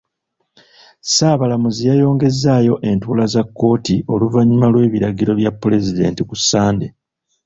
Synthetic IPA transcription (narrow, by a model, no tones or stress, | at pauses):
saːβalamuzijajo̞ːŋɡe̞zaːjo̞ʔe̞ntuːlazakːo̞ːtiʔo̞luvaɲimalwe̞ːβiɾaɡiɾo̞βjapːule̞zide̞̰ːntikusːaːnde